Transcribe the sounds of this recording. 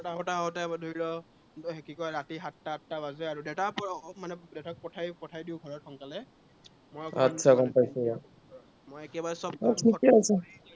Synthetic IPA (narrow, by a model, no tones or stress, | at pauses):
taɦɔtaɦaɦʊtɛdʱuɹilɔ | ɦekikɔjɹatiɦatːaatːabazɛaɹudɛtapɔmanɛdɛtak̚pɔtʰajpɔtʰajdiʊ̃ɡʱɔɹɔtxɔŋkalɛ | mojɔkatːsʰakɔnpajsɛja | mojekɛbaɹɛsɔb̚ɔtʰikɛasɛ